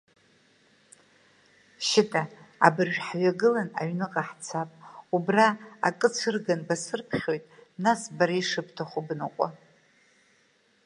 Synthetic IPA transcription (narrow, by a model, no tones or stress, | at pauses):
ʃɪtʼaa̰bɨrʒᶣħɥaɡɨlana̰ɥnɨqʼaħt͡sʰapʼubraa̰kʼɨt͡sʷʰɨrɡanbasɨrpʰχʲo̞jtʼnasbaɾaiʂɨpʰtʰaχʷubnɨqʷʼa